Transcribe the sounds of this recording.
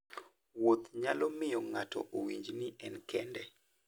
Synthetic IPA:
wot̪ɲalɔmɪjɔŋatɔ̰ʔowiɲd͡ʒniʔɛnkʰɛndɛ

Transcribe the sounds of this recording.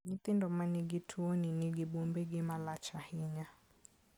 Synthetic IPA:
ɲit̪indɔmaniɡitʰuɔniniɡiɓumbɛɡimalat͡ʃahiɲa

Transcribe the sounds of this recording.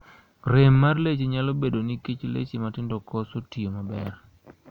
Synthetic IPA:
ɾemːarlet͡ʃeɲalobedoniket͡ʃlḛt͡ʃimatɪndɔkɔsotiomabɛr

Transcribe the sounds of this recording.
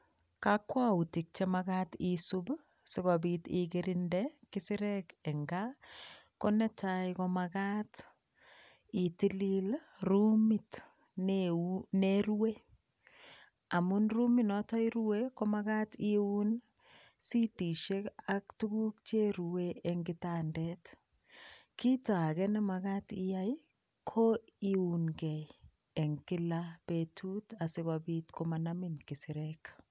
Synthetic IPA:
kakwautik̚t͡ʃemaɡatisub | sɪɡɔbitiɡeɾindɛkɪsɪɾɛkɛŋɡa | kɔnɛtajkɔmakat | itililrumit | nneɾuwe | amʊnruminɔtajɾuwekɔmaɡatiun | sitiʃekaktuɡuk̚t͡ʃeɾuweɛŋɡɪtandɛt | kitaɡɛnɛmaɡatijaj | kʰoiunɡɛj | ɛŋkɪlabetʰutasɪkwabitkomanaminkisɪɾɛk

